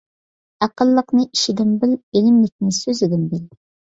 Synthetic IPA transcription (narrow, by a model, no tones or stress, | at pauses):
æqəlˠːəqnɨʔiʃɪd̪ɪmbɪlbelɪmlɪk̚ʲnɪsøzɪd̪ɪmbɪl